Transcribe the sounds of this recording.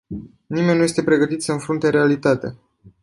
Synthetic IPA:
nime̞nnːujest̪e̞pɾe̞ɡət̪it̪səɨnfɾunt̪e̞ɾe̞alit̪at̪ea̰

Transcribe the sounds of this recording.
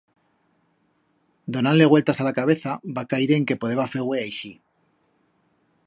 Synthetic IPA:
d̪o̞nanle̞ɣwe̞lt̪asalakaβ̞e̞θabakaiɾe̞ŋke̞po̞ðeβafe̞ɣwe̞ajʃi

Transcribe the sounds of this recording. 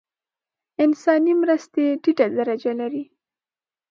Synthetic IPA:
ɪnsɑnimɾəst̪eɖiʈad̪aɾad͡ʒalaɾi

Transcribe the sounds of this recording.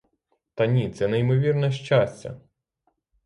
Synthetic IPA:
t̪ɐnʲit̪sɛnejmɔʋʲirnɛʃt͡ʃasʲt͡sʲɐ̰

